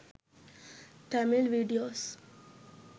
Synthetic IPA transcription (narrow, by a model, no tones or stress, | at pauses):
ʈɛmɪlʋiːɖioːs